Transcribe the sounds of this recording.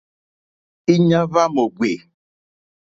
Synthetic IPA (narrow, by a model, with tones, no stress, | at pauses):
i˦ɲã˦va˦mo˨ɡwe˨